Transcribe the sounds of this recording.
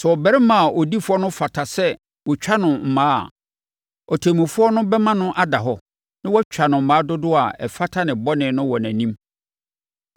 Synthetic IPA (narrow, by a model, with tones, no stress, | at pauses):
sɛ˨ɔ˨bɛ˦ɾɪ˦mã˨a˨ʔɔ˨di˦fʊ˦ɔ˦nʊ̃˦fa˨tʰa˨sɛ˦ | wɔ˨t͡ɕᶣa˦nʊ̃˨m̩˨mãː˦a̰˨ | ɔ˨tʰe˨mĩ˨fʊ˦ɔ˦nʊ̃˦bɛ˦mã˦nʊ̃˦ʔa˦da˨ɦɔ˦ | nɪ̃˦wɔ˦t͡ɕᶣa˨nʊ̃˨m̩˨mãː˨˦dʊ˦dʊ˦a˨ɛ̰˨fa˦tʰa˦nɪ̃˨bɔ˦nɪ̃˨nʊ̃˦wɔ˨næ̃˨nĩ˦m